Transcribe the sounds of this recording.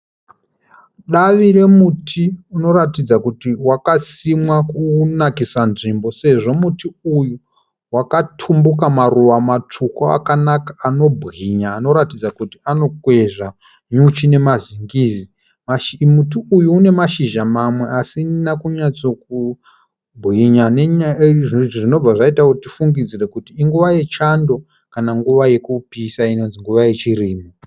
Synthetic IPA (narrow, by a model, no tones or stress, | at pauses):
ɗaʋiɾe̞mutʰiuno̞ɾatid͡zakutiwakasimwakunakisanʐimbo̞se̞ʐo̞mutiuju | wakatʰumbukamaruʋamat͡ʂʰukaa̰kanakḁːno̞bʱɣiɲaːno̞ɾatid͡zakutiano̞kwe̞ʒa | ɲut͡ʃine̞maziŋɡiːzi | maʃmutuːjuːne̞maʃiʒamamwe̞ʔasinakuɲat͡so̞k̚u | bʱɣiɲaneɲaʐʐino̞b͡vaʐaitautifuŋɡid͡zire̞kutiːŋɡuʋaje̞t͡ʃando̞ | kanaŋɡuʋaje̞kupisaino̞nziŋɡuʋaje̞t͡ʃiriːmu